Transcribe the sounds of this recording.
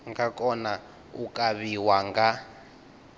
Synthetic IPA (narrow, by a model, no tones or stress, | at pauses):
ŋɡakʼɔna | ṵkʼaβiwaŋɡa